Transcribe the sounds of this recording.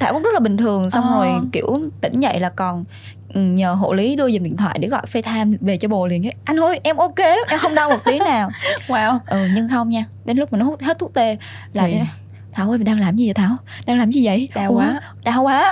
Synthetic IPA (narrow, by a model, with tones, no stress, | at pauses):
t̪aː˧˩wkːŋ͡mzə˦˥laː˨˩ɓi˨˩ŋ̟t̪ʰɨ˨˩əŋsa˧wŋ͡mzo˨˩jkḭ˧əwt̪ï˧˩ŋ̟˧və̰˧˨jlaː˨˩kɔ˨˩n | ʔɨ˨˩ɲəː˨˩ɦo̰˧˨li˨˦ɗɨ˧əzi˨˩nɗḭ˧˨nt̪wa̰ː˧˨jɗḛ˧˩ɣɔ̰˧˨jfɛ˧jt̪ʰaː˧mve˨˩t͡ɕɔ˧ɓo˨˩lḭ˧˨ənə˨˦ʔa˧jnho˧jʔɛ˧mʔo˧ke˧a˨˦ʔɛ˧mxə˧wŋ͡mɗa˧wmo˨˩t̚t̪i˨˦əŋnaː˨˩wwaː˨˩wʔɨ˨˩ɲɨ˧ŋxə˧wŋ͡mɲaː˧ɗe˨˦nlk͡p̚maː˨˩nɔ˦ht̚he˦˥t̪ʰk̚t̪e˧laː˨˩˧ | t̪ʰaː˧˩wʔo˧jɗaː˧ŋlaː˨˩mɲ˧˨zə˨˩t̪ʰaː˧˩wɗaː˧ŋlaː˨˩mɲi˨˩və̰˧˨j | ɗaː˧˩wwaː˨˦